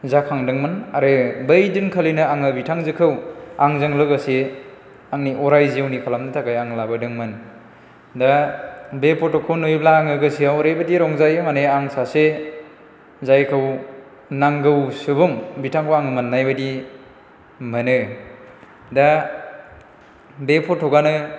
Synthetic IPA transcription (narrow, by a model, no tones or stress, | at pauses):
zakʰaŋdɯŋmɯnaɾɯbɯjdɯnkʰalinɯaŋɯbitʰaŋzɯkʰɯwaŋzɯŋlɯɡɯse | aŋniʔɔɾajziawnikʰalamnɯtʰakajaŋlabadɯŋmɯn | dabepɔtokʰɔnojblaːŋɯɡɯsiawɾebadiɾɔŋzajɯmaneaŋsase | zajkʰɯw | naŋɡɯwsɯbuŋbitʰaŋkʰoaŋɯmanːajbadi | mɯnɯ | da | bepʰɔtʰɔɡanɯ